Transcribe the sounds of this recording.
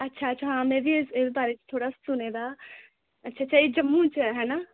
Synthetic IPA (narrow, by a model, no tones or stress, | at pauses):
ətːʃʰaːətːʃʰaɦãːmeːɾisesbaːɾeːt͡ʃt̪ʰoːɽaːssʊneːd̪aː | ətːʃʰaːtːʃʰaːiːd͡ʒəmːũːt͡ʃɦɛːnaː